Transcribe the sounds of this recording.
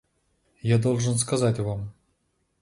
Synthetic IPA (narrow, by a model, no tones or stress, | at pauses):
jad̪olˠʐɨnskɐzatʲvam